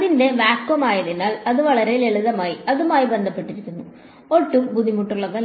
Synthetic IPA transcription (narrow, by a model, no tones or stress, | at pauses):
ɐðinde̞ʋaːkːɐmaːjɐðenːaːɭɐðuʋɐɭɐɾe̞leɭuðɐmaːjiɐðumaːjibe̞nd̪ʱɐpːe̞ʈːiɾikʲːunːu | oʈːumbuðʱimuʈːuɭːɐðɐ